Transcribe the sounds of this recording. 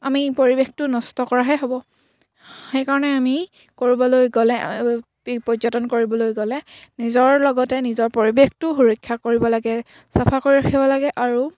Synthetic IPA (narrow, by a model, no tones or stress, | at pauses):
amipoɹibextʊnɔstɔkɔɹaɦɛɦobɔ | xejkaɹɔnɛami | koɹibɔlojɡɔlɛ̰ | pɔzɔtɔnkoɹibɔlojɡɔlɛnizɔɹlɔɡɔtɛnizɔɹpoɹibextʊɦuɹɔkʰːakoɹibɔlaɡɛ | sapʰakoɹiɹakʰibɔlaɡɛʔaɹu